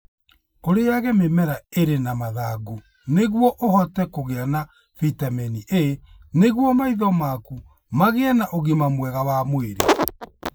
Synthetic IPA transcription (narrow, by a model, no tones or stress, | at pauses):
koɾejaɣɛmemɛɾaeɾenamaðaɡu | neɣwɔʔohɔtɛkoɣeana | fitamɛniʔeneɣwɔmaiðɔmaku | maɣeɛnaʔoɣemamwɛɣawamoeɾḛ